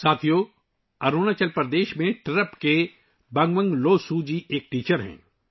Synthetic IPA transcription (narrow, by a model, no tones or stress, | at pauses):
saːt̪ʰijo | ɐɾoːnat͡ʃɐlpəɾd̪eːʃmẽʈɾəpke | bɐ̃ŋɡʋə̃ŋɡloːsud͡ʒiʔeːk̚ʈiːt͡ʃəɾɦɛ̰̃ː